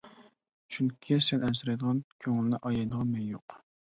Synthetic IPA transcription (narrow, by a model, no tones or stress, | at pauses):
ʃʰynkʲʰisɛnɛsɪɾɛjd̪əʁɑnkʲʰøŋɪlːæʔɑjɑjd̪əʁɑnmɛjjoq